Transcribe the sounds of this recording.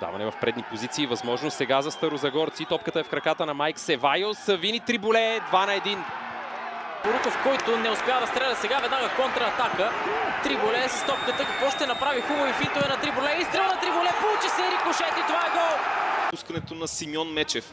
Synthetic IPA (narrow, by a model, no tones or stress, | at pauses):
d̪a̰vɐ̰nɛvɐfpɾɛd̪nipozit̪siːvɐzmɔʒnost̪sɛɡazɐst̪ɐɾozɐɡɔɾt̪sit̪ɔpkət̪əɛfkɾɐkat̪ənɐmajksɛvajosəvinit̪ɾibulɛd̪vanɐɛd̪in | poɾukofkɔjt̪ʊnɛʊspɛjavd̪ɐst̪ɾɛlʲɐt̪sɛɡavɛd̪naɡɐkɔnt̪ɾɐːt̪akət̪ɾibʊlɛsɐst̪ɔp̚kət̪əkɐkvɔʃt̪ɛnɐpɾavixubɐvifint̪ovɛnɐt̪ɾibʊlɛist̪ɾɛvɐnɐt̪ɾibʊlɛpout͡ʃisɛɾikʊʃɛt̪it̪ovaɛɡɔuskɐnɛt̪onɐsimjɔnmɛt͡ʃɛf